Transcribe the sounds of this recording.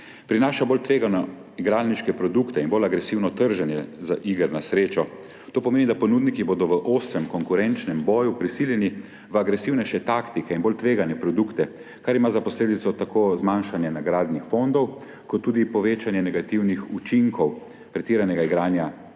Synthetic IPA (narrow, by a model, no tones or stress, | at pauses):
pɾinaːʃaboːlt̪ʋeːɡanɔ | iɡɾaːlniʃkɛpɾɔd̪ukt̪ɛinbolaɡɾɛsiwnɔt̪əɾʒɛnjɛzaʔiɡəɾnasɾeːt͡ʃɔ | t̪oːpɔmeːnid̪apɔnuːd̪nikiboːd̪ɔʋəʔoːst̪ɾɛmkɔŋkuɾɛnt͡ʃnɛmbɔːjupɾisiljɛni | ʋəaɡɾɛsiwnɛʃɛt̪akt̪ikɛinbolt̪ʋeːɡanjɛpɾɔd̪ukt̪ɛ | kaɾimaːzapɔsleːd̪it̪sɔt̪akʰoːzmanʃanjɛnaɡɾaːd̪nixfond̪ɔw | kɔt̪ːuːd̪ipɔʋeːt͡ʃanjɛnɛɡat̪iwnixut͡ʃiŋkɔw | pɾɛt̪iːɾanɛɡaiɡɾaːnja